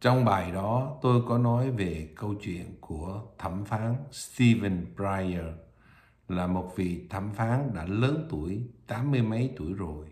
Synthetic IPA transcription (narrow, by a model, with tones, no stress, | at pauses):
t͡ɕɔ˧wŋ͡mɓaː˨˩jɗɔ˨˦t̪o˧jkɔ˨˦nɔ˨˦jve˨˩kə˧wt͡ɕwḭ˧˨ənku˧˩ət̪ʰə˧˩mfaː˨˦nst̪i˧və˧npɹaː˧jə˧ | laː˨˩mo˨˩t̚vḭ˨t̪ʰə˧˩mfaː˨˦nɗa̰ː˧˥ləː˨˦nt̪u˧˩əjt̪aː˨˦mːɨ˧əjmə˨˦jt̪u˧˩əjzo˨˩j